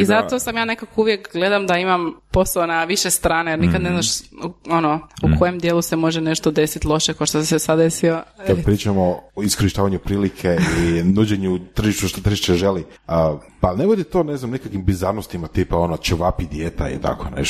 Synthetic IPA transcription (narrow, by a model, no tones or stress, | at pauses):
izat̪o̞samjaːne̞kakouʋjekɡle̞d̪amd̪aimampo̞saonaʋiʃest̪ɾaːnejeɾnikad̪neznaʃuo̞noukʰo̞jemd̪jeːlˠuse̞mo̞ʒeneʃt̪o̞d̪esit̪lˠo̞ʃekoʃt̪osisesad̪e̞siokad̪pɾiːt͡ʃamoiskoɾiʃt̪aːʋaɲupɾiːlikʰeinuːd͡ʑeɲut̪r̩ʒiʃt̪uʃt̪ot̪ɾ̩ʒiʃt͡ʃ̪eʒeli | əpalneʋod̪it̪o̞neznamnikakʋimbizaɾnost̪imat̪ipao̞not͡ʃəʋapid̪jet̪aḭt̪a̰kʰo̰nḛʃ